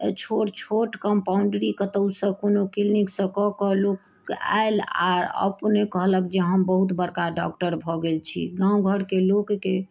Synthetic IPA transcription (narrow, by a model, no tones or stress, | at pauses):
t͡ʃʰoʈt͡ʃʰoʈkəmpauɳɖɾikət̪əwsə̃konokilniksə̃kɔkəɦlok | a̰ela̰ɾə̰pnekəɦləkd͡ʒeɦəmbəɦut̪bəɾkaɖɔ̰kʈəɾbʱɔɡelt͡ʃʰḭɡãũɡʱəɽkelokke